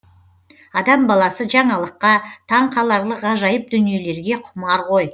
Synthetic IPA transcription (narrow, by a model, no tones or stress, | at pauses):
ɑd̪ɑmbɑlˠɑsəʒɑɴɑlˠəqːɑt̪ʰɑɴqʰɑlˠɑɾlˠəqɑʒɑjəp̚d̪ʏnije̞le̞ɾɡʲe̞qʰʊmɑɾʁo̞j